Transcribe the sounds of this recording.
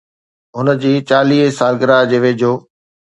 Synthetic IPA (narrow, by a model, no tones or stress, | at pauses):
ɦʊnəd͡ʑiːt͡ɕaːliːɦsaːlɡəɾad͡ʑeːʋeːd͡ʑoː